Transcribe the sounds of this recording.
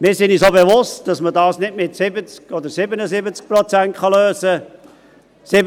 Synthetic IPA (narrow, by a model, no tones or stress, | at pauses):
mɪːɾsɪnisoːbevʊstd̥ɑsmədɑːsnɪdmɪtsɪbət͡skɔd̪əɾsɪbənəzɪbət͡sk̚prɔt͡sæntχɑløːsə | sɪ